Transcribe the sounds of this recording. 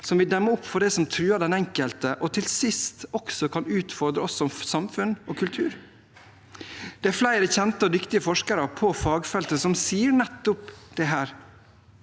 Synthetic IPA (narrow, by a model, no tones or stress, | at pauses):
sɔmʋɪd̪ɛmːəʊpːfɔɖɛsɔmt̪ʰɾʉːɑd̪ɛnɛŋkəlt̪əʔɔt̪ʰɪlsɪst̪ɔksɔkʰɑnʉːt̪fɔɾd̪ɾəɔsɔɔmsɑmfʉnoːkʰʉlt̪ʰʉːɾ | d̪̥ɛæɾflæɪɾəçɛnt̪əɔd̪ʏkt̪ɪəfɔʂkəɾəpʰɔfɑːɡfɛlt̪əsɔmsiːəɳɛt̪ːʊpd̪̥ɛɦæːɾ